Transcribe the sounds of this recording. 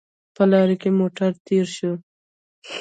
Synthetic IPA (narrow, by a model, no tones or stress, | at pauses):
pəlɑɾekemoʈaɾt̪eɾʃu